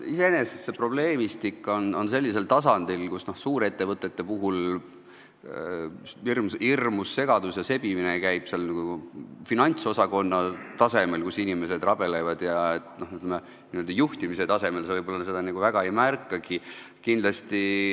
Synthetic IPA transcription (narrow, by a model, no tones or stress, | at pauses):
ise̞ene̞sese̞pro̞b̥le̞ːmist̪ikːˑo̞no̞nse̞lʲːise̞lt̪ɑsɑnd̪̥ilkusno̞hsuːɾet̪ːe̞vɤt̪ːˑe̞t̪ːe̞puɦul | irmsirmusːe̞ɡ̥ɑd̪̥usjɑse̞b̥iminekæjb̥selniɡufinɑnʲt̪so̞sɑko̞nːɑt̪ɑse̞melkusinʲime̞se̞d̪rɑb̥e̞lejvɑd̪̥jɑet̪no̞hyt̪leme | niøld̪ɑjuht̪imise̞t̪ɑse̞me̞lsevɤjbo̞lːɑse̞d̪̥ɑniɡ̥uvæɡɑe̞jmærkˑːɑɡi | kind̪lɑst̪i